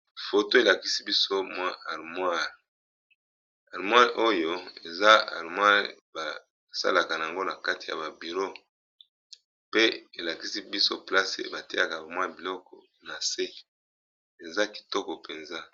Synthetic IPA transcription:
fo˨to˦e˨la˨ki˦si˦bi˦so˦mwa˦ʔa˨ʁmwa˦ʁ | a˨ʁmwa˦ʁʔo˦jo˦e˨za˦a̰˨ʁmwa˦ʁba˨ | sa̰˦la˨ka˨na˨a˨ŋɡo˦na˨ka˦ti˨ja̰˨ba˨bi˨ʁo˦ | pe˦e˨la˨ki˦si˦bi˦so˦pla˦sḛ˨ba˨tɛ˦a˨ka˨ba˨mwa˦˨bi˨lɔ˦kɔ˨na˨se˦ | e˨za˦ki̥˨tɔ˦kɔ˨pe˨nza˦

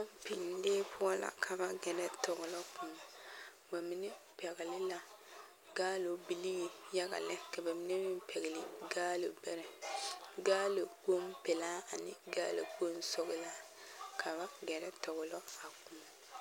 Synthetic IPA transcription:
a˦m˦pi˨lleː˦pʊ˦ɔ˦la̰˨kʰa˨ba˦ɡɛ˨ɾɛ˦tɔ˨ɡʊ˨lɔ˦pʰʊ˨ma˨ | ba˨mɪ˦nɪ˦ | pɛ˨ɣɪ˨lɪ˦la˨ | ɡaː˦lo˨bi˨li˦˨ja˦ɡa̰˨lɪ˦ka˨ba˨mɪ˦nɪ˦mɪ˦m˦pʰɛ˨ɣɪ˨lɪ˨ɡaː˦lo˨bɛ˦ɾɛ˨ɡaː˦lo˨ɡo˦m˦pɛ˨laː˦a˨nɪ̰˦ɡaː˦lo̰˨ɡo˦n˦sɔ˦ɣɪ˦la˦ | kʰa˨ba˦ɡɛ˨ɾɛ˦tɔ˨ɣʊ˨lɔ˦a˨kʊ˨ma˨

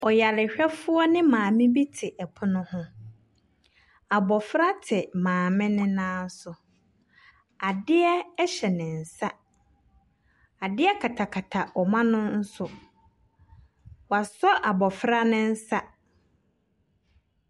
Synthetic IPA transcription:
ɔ˨ja˨lɪ˨ɕᶣɛ˦fʊ˦ɔ˦nɪ̃˦mãː˨mɪ̃˦bi˦tʰɪ˨ʔɛ˨pʰʊ˦nʊ̃˦hʊ̃˦ | a˨bɔ˨fɾa˦tʰɪ˨mãː˨mɪ̃˦nɪ̃˦nãː˦n̩˦sʊ˨ | a˨dɪ˦ɛ˦ɕɛ˨nɪ̃˨n̩˨sa˦ | a˨dɪ˦ɛ˦kʰa˨tʰa˨kʰa˨tʰa˨ɔ˨mã˦nʊ̃˦n̩˦sʊ˦ | wa˨sɔ˦ʔa˨bɔ˨fɾa˦nɪ̃˦n̩˦sa˦

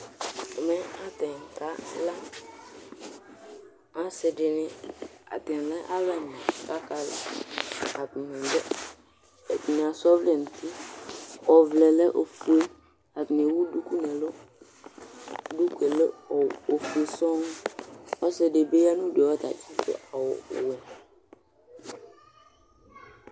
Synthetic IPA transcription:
ɛ˨mɛ̃˦a˦tɛ̃˨ŋ̩˨ka˦la˦ | a˨sɪ˨dɪ˨nɪ̃˦a̰˨tɛ̃˨lɛ˦ʔa˦lɛ˦˨nɛ̃˨ka˦ka˦lɛ̰˦˨ | a˨tɪ˨mɪ̃˨n˨dɛ˦ | ɛ˨tɪ˨nɪ̃˨a˨sɔ˦vlɛ˨n˨tʰi˦ | ɔ˨vlɛ˨lɛ˦ʔo˨fu˨˦e˦ | a˨tnɪ̃˨wu˦du˦ku˦nɛ̃˨lʊ˦ | du˦ke˨lɛ˦˨o˨fu˨e˨sɔ̃˦n˦ɔ˦sɪ˦dɪ˨be˦ja˦nũ˦de˨wɔ˦ta̰˨tʰi˦tʊ̰˦ʔa˨wɔ˨wɛ˨

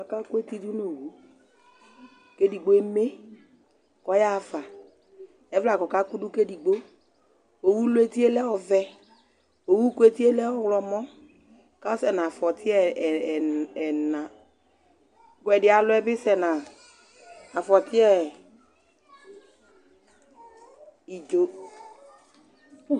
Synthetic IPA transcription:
a˨ka˦kwe˦ti˦du˦no˨wo˨˦ | ke˦di˨ɡ͡bo˨˦e˦me˦ | kɔ˦ja˦˨fa˨ | ɛ˦vla˨kɔ˨ka˦ku˦du˦ke˦di˨ɡ͡bo˦ | o˨wu˦lʊ˦e˦ti˦e˦lɛ˦ɔ˨vɛ˦ | o˨wu˦ku˦e˦ti˦e˦lɛ˦ɔ˦wlɔ˨mɔ˦ | ka˦ɔ˦sɛ˨na˨fɔ˨tʰɪ˦ɛ˦˨ | ɛ˨nã˨ | kwɛ˨dɪ˦a˨lʊ˦ɛ˦bɪ˦sɛ˨na˨ | a˨fɔ˨tʰɪ˦ɛ˦ | i˨d͡ʒo˨

